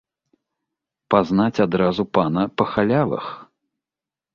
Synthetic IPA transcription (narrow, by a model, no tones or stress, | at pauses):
paznat͡sʲad̪ɾazupanɐpɐxalʲavˠɐ̰x